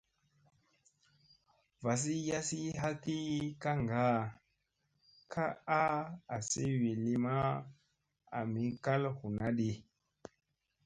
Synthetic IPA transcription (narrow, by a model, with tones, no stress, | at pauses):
va˨s̬i˦ja˦si˦ɦa˦ki˦ka˦ŋɡa˦ | kʰa˦a˦a˨si˦wi˨li˦ma˦ | a̰˨mi˨ka˦lhu˨na˦ɗi˨